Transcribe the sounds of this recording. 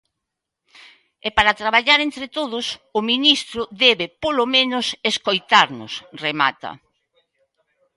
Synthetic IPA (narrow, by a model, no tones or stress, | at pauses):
epaɾat̪ɾaβaʎaɾent̪ɾɪt̪oðʊsʊminist̪ɾʊðɛβɪpolomẽnʊseskojt̪aɾnʊ̰srema̰t̪ɐ̰